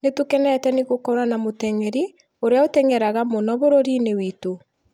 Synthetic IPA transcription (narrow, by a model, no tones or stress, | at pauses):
netukɛnɛtɛneɣokɔɾanamotɛŋɛɾi | oɾeaotɛŋɛɾaɣamonɔβoɾoɾinewito